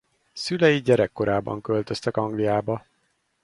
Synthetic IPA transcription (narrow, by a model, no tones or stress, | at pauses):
sylɛjiɟɛɾɛkːo̞ɾʔaːbɒ̰ŋkølt̪ø̞st̪ɛkɒŋɡlijaːbɒ